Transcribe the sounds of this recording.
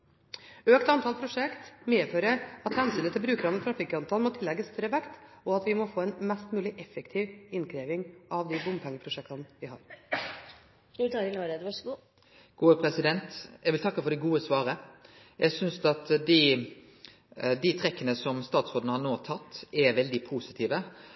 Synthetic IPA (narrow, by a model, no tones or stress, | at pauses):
øːkt̪ɑnt̪ʰɑːlpʰɾʊʂɛkt̪meːføːɾəɑt̪hɛnsʏnət̪ʰɪlbɾʉːkəɾɑnːət̪ʰɾɑfikɑnt̪ʰɑlnmɔt̪ʰɪlːɛɡːəst̪œɾəʋɛkt̪ | ɔɑt̪ʋɪmɔfoːɛnmɛst̪mʉːlɪʔɛfːɛkt̪ʰiːʋɪnkʰɾeːʋɪŋʔɑʋd̪ɪbʊmbpʰɛŋːəpʰɾʊʂɛk̚t̪ɑnʋɪhɑ̰ːɾ | t̪ʰɑːɾɪnɔɾəʋɑʂɡuː | ɡ̥uːəpʰɾɛsɪd̪ɛnt̪jæɡʋɪlt̪ʰɑkːəfɔɖ̪ɛɡuːəsʋɑːɾə | jʔæɪsʏnsd̪ɑt̪d̪ɪ | d̪ɪt̪ʰɾɛkːənəsɔmst̪ɑːt̪sod̪nəhɑnoːt̪ʰɑt̪ːɛɾʋɛld̪ɪpʰusɪ̥t̪ʰiːʋə